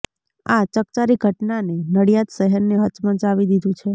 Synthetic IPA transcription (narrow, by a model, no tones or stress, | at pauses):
at͡ʃək̚t͡ʃaɾiɡʱəʈnanenəɽijat̪ʃəɦəɾneɦət͡ʃmə̃t͡ʃaʋid̪id̪ũt͡ʃʰe